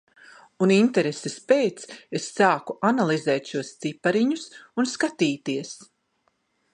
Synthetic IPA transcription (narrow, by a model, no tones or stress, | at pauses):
unint̪ɛɾesespejt̪sesːaːkuʔanalˠizɛːt̪ʃuɔst̪sipaɾiɲusunskat̪iːt̪iɛs